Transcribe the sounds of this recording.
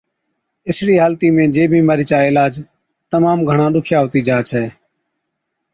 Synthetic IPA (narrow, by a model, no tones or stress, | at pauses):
ɪsɽiːɦaːlt̪iːmẽːd͡ʒeːbʱiːmaːɾiːt͡ʃaːɪlaːd͡ʒ | t̪əmaːmɡʱəɳãːɗʊkʰjaːɦoːt̪iːd͡ʒaːt͡ʃʰɛː